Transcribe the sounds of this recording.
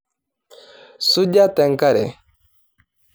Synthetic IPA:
su˦ɟa˦tɛ˨ŋka˦ɾɛ̰˨

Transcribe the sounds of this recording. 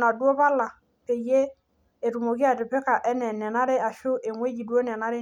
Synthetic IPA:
na˨dwo˦βa˦la˨ | ke˨je˦ | e˨tu˨mo˨kɪ˦a˨tɪ˨pɪ˦ka˨ʔɛ˦nɛ˨nɛ˨na˦ɾe˦a˨ʃʊ˦ʔe˨ŋwe˦d͡ʒi˨du˦o˦nɛ˨na˦ɾe˦

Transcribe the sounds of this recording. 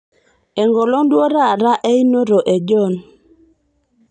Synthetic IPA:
ɛ˨ŋɡɔ˨lɔ˦ndwɔ˦ɾa˦˨ɾa˦ʔɛ˦i˦no˦ɾo˨ʔe˨d͡ʒɔ˦˨n

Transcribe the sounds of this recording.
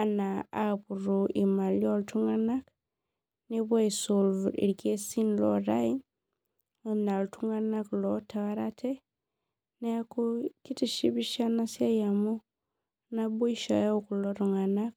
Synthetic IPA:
a˨naa˦pu˨ɾoʔi˨ma˨ljɔ˦ltʰu˦ŋa˦na˦k | ne˦ba˦isolvḭ˨ɾke˦si˦nlɔɾa˦in | na˨ltu˦ŋa˦na˦klɔtʰa˨wa˦ɾatʰɛ˦ | na˦ku˦ki˦ti˨ʃi˦bi˦ʃa˦na˦sja˦ja˨mu˦ | na˦bo˦i˦ʃa̰˨ja˦uku˨lɔ˦ɾu˨ŋa˨na˦k̚

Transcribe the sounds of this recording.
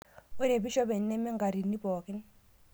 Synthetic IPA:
ɔ˦ne˨bi˦ʃɔ˦be˨n˦nɛ˦mɛ˦ŋ˦ɡa˨ɾi˨nːi˦bɔː˨ki˦n˦

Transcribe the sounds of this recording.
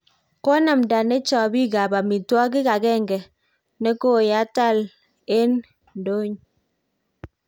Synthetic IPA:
ko˦na˨mda˨ne˦t͡ʃɔ˨bi˦ɡa˨ba˨mi˨twɔ˦k̬i˦ka˨ɡɛ˦˨ŋɡɛ˨ | ne˦ko˦˨ja˨˦ta˦˨l | e˦n | n˨do˦ɲ

